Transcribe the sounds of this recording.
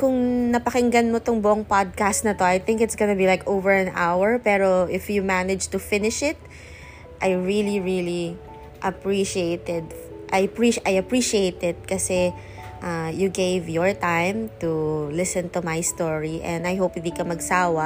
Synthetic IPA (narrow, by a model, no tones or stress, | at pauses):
kʊŋnɐpɐkɪŋɡɐnmot̪ʊŋbʊʔoŋpad̪̚kast̪̚nɐt̪o̞ajθɪ̃ŋkɪt̪sɡonɐbilajkowvɛɹɐ̃na̰wɛɹpɛːɹoʔɪfjumænɛd͡ʒt̪ʊfɪnɪʃɪt̪̚ | ʔajɹiliɹili | ʔɐpɹiʃieɪt̪ɛd̪̚ʔajpɹiʔajɐpɹiʃiejt̪ɪd̪̚kɐsɛ | ʔajuɡejvjɔɹt̪ãjmt̪ulɪsɛ̃nt̪umajst̪ɔɹiʔɛ̃nd̪ɐjɦowpɪ̃nd̪ikɐmɐɡsaːwɐ